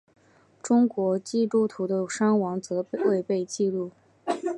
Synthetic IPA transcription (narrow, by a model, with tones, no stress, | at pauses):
ʈ͡ʂʊ˥ŋkwɔ˧˥t͡ɕi˥˧lu˥˩t̪ʰu˧˥d̪ə˧ʂa˥ŋwɑ˧˥ŋt͡sɤ˧˥we˥˧ɪpe˥˧ɪt͡ɕi˥˧lu˥˩